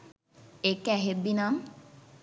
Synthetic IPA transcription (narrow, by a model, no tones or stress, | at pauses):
ekɛɦebːinam